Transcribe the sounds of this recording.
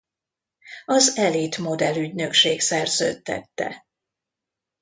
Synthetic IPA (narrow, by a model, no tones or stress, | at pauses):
ɒzɛlit̪mo̞d̪ɛlyɟnø̞kʃeːksɛrzø̰ːt̪ːɛ̰t̪ːɛ̰